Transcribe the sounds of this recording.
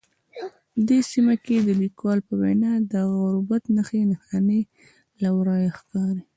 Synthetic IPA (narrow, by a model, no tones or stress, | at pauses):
əd̪esimaked̪əlikwɑlpəwa̰jnɑd̪əɣaɾubat̪nəxenaxane | lawɾɑjaxkɑɾi